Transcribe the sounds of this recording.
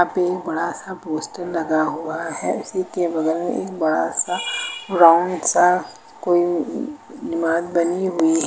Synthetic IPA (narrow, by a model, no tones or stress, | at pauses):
ãpeeːk̚bɐɽasapoːsʈəɾlɐɡaɦuaɦɛʊsikebɐɡɛːɾmḛ̃eːkbɐɽa̰saɾaʊ̃ɳɖsa | koːi | nɪmaːd̪bɐniɦʊiɦɛ